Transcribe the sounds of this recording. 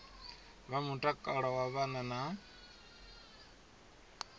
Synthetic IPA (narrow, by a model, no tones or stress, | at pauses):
βamuʈʼakʼaɺɔwaβanana